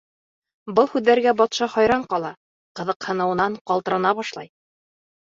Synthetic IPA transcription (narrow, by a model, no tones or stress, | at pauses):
bɤlˠhʉðːæɾɡæbɑt̪ʃɑhɑjɾɑɴqɑlˠɑ | qɤ̆ðɤ̆qhɤ̆nɤ̆wɤ̆nɑɴqɑlˠt̪ɤ̆ɾɑnɑβɑʃlˠɑ̰j